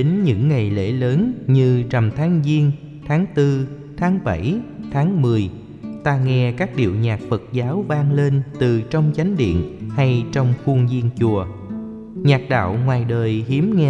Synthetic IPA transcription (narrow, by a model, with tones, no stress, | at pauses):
e˨˦nɲɨ̰˧˥ŋːa˨˩jlḛ˧˥ləː˨˦nɲɨ˧t͡ɕa˨˩mt̪ʰaː˨˦ŋzi˧ən | t̪ʰaː˨˦ŋt̪ɨ˧ | t̪ʰaː˨˦ŋɓa˧˩jt̪ʰaː˨˦ŋmɨ˨˩əj | t̪aː˧ŋɛ˧kaː˦˥k̚ɗḭ˧˨əwɲaː˨˩k̚fə˨˩t̚zaː˨˦wvaː˧ŋle˧nt̪ɨ˨˩t͡ɕɔ˧wŋ͡mt͡ɕa˨˦jŋ̟ɗḭ˧˨ənha˧jt͡ɕɔ˧wŋ͡mxu˧əŋzi˧ənt͡ɕu˨˩ə | ɲaː˨˩k̚ɗa̰ː˧˨wŋwaː˨˩jɗəː˨˩jhi˨˦əmŋɛ˧